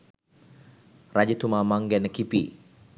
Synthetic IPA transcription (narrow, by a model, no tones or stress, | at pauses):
rad͡ʒit̪umamaŋɡɛnəkipi